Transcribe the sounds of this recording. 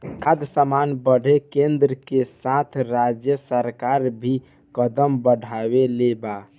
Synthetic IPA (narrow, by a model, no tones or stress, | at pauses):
kʰad̪səmanbəɽ̤ʱekend̪ɾəkesat̪ʰɾad͡ʒjəsəɾkaɾbʱi | kəd̪əmbəɖʱabeleba